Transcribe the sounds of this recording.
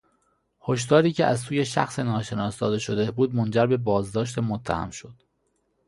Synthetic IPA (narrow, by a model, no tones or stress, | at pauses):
ho̞ʃ̬d̪ɒːɾiːcʰeʔæzsuːje̞ʃæxsenɒːʃe̞nɒːsd̪ɒːd̪e̞ʃo̞d̪ebuːd̪mo̞nd͡ʒæɾbe̞bɒːzd̪ɒːʃ̬t̪emot̪ʰːæhæ̰mʃo̞d̪̥